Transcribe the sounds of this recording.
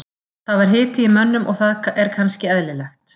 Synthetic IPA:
θaðvaɾ̥ɦɪːt̪ɪimœnːʏmʔɔɣθaðɛɾkʰanscɪɛðlɪlɛxt̪

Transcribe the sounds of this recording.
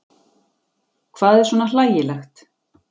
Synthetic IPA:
kʰvaːðɛɾ̥swɔnalaːjɪlaxt̪

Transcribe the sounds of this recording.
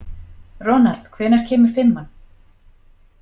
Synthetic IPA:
rɔːnal̥t̪kʰvɛːnaɾ̥cʰɛːmʏɾ̥fɪmːanː

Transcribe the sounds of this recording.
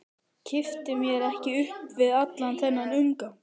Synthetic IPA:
cʰɪft̪ɪmjɛɾɛhcɪʏhpvɪðat̪lanθɛnːanʏŋka

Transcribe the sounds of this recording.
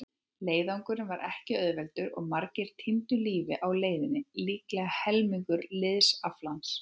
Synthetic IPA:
leːjðawŋkʏɾɪnvaɾʔɛhcɪœðvɛlt̪ʏɾɔ̰ɣmaɾcɪɾ̥t̪ʰimt̪ʏliːvɪʔawleːjðɪnːɪliːklɛːɣahɛlmiŋkʏɾlɪðsaflans

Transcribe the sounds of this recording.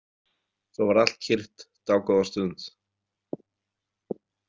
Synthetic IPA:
θowvaɾal̥t̪̚cʰɪr̥ht̪t̪aːwkɔðast̪ʏnt̪

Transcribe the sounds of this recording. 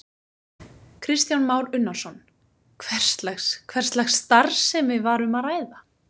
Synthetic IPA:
kʰɾɪst̪janmaːwɾʏnːaɾ̥sɔn | kʰvɛr̥st̪lɛxskʰvɛr̥st̪lɛxsːt̪aɾsːɛmvɪvaɾʏmaðraːjða

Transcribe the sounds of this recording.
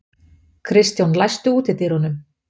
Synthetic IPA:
kʰɾɪst̪jɔnlajst̪ʏuːt̪ɪt̪ɪɾ̥hɔnʏm

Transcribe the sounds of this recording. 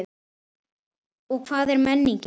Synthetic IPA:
ɔɣkʰvaːðɛɾmɛnːiɲc

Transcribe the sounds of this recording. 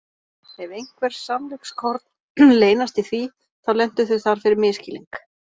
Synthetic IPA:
ɛvejŋkʰvɛɾ̥samlʏkskʰɔɾt̪n | leːjnast̪iθvi | θawlɛn̥t̪ʏθʏθaɾ̥fɪɾɪɾmɪːscɪlḭŋk

